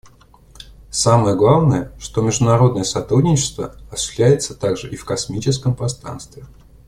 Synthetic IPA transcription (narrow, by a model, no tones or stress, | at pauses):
saməjəɡlˠavnəjəʂt̪omʲɪʐd̪ʊnɐɾo̞d̪nəjəsɐt̪ɾudʲnʲɪt͡ɕɪ̥st̪və̰ɐsɪ̥sʲlʲæjɪt̪sət̪aɡʐɨʔifkɐsmʲit͡ɕɪskəmpɾɐst̪ɾa̰nst̪vʲɪ